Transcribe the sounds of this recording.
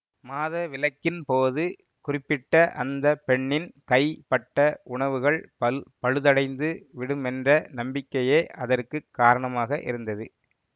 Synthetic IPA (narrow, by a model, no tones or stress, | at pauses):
maːðɐʋɪlɐkːɪnpoːðɯ | kʊrɪpːɪʈːɐʔɐ̰nd̪ɐpɛɳːɪnkɐɪpɐʈːɐʔʊɳɐʋɯɣɐɭpɐpɐɻɯðɐɽɐɪnd̪ɯʋɪɽɯmɛndrɐnɐmbɪkːɐjeːʔɐðɐrkɯkːaːɾɐɳɐmaːɣɐʔɪ̰ɾɯnd̪ɐðɯ